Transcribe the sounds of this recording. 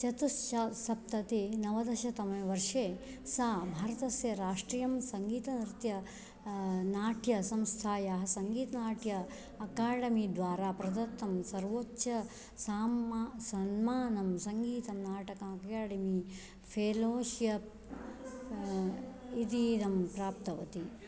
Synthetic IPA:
t͡ʃɐt̪ust͡ʃɐsɐp̚t̪ɐt̪inɐʋɐd̪ɐʃɐt̪ɐmɐʋɐɾʂeː | saːbʱaːɾɐt̪ɐsjɐɾaːʂʈɾiːjɐmsɐŋɡiːt̪ɐnɾt̪jɐ | naːʈʰjɐsɐmst̪ʰaːjaːɦɐsɐŋɡiːt̪ɐnaːʈʰjɐː | kaːɖɐmid̪ʋaːɾaːpɾɐd̪ɐt̪ːɐmsɐɾʋoːtːʃɐ | saːmasɐnmaːnɐmsɐŋɡiːt̪ɐmnaːʈɐkaɐkaːɽɐmi | pʰeːloːʃjɐp̚ | it̪iːnɐmpɾaːpt̪ɐʋɐt̪i

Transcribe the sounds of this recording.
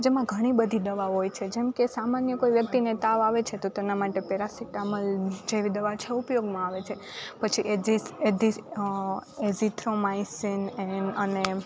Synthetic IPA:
d͡ʒemãɡʱəɽ̃ibəd̪ʱid̪əʋaɦojt͡ʃʰed͡ʒɛmkesamanjəkojʋjək̚t̪inet̪aʋaʋet͡ʃʰet̪ot̪enamaʈepeɾasiʈaməld͡ʒeʋid̪əʋat͡ʃʰeupjoɡmãaʋet͡ʃʰe | pət͡ʃʰiʔezised̪i | ezit̪ʰɾomaisinɛnəne

